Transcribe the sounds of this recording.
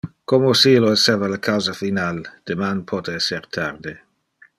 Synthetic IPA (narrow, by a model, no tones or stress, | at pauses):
komosiloesevalakʰawzafinald̪̥emanpʰɔt̪eɛseɾt̪ʰard̪e